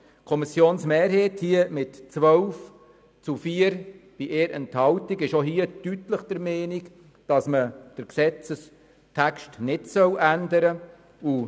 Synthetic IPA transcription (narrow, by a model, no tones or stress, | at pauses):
kʰɔmisjoːnsmeːɾheːthiəmɪtt͡sʋœwf | t͡sufiəɾb̥iʔeːɾʔɛnthɑltiɡɪʃoɦiəd̥ytləχd̥əɾmeːnik | d̥ɑsməd̥əɾksɛt͡səs | tʰækʃtnɪtsœwʔændəɾə | u